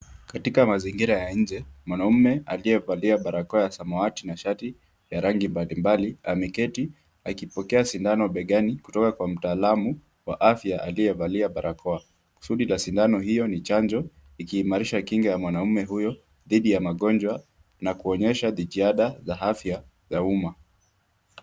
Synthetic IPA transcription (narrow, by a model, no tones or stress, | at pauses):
katikamaziŋɡiɾajaɲ̩d͡ʒɛmwanaumɛaliɛvaliaɓaɾakɔajasamɔatinaʃati | jaɾaŋɡimbalimbaliamɛkɛti | akipɔkɛasindanɔɓɛɠaniku̥tɔkakwam̩taːlamu | wa̰ʔafjaʔaliɛvaliaɓaɾʔakʰɔa | ku̥suɗilasindanɔɦijɔnit͡ʃand͡ʒɔ | ikiːmaɾiʃakiŋɡajamwanaumɛɦujɔ | ðiɗijamaɠɔnd͡ʒwa | nakuɔɲɛʃaðiʄiaɗazahafja | zauma